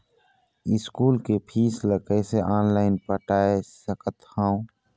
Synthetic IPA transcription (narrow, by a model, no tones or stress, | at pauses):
ɪskuːlkepʰiːsləkəjseʔaːnlaːɪnpəʈaːesəkət̪hãːũ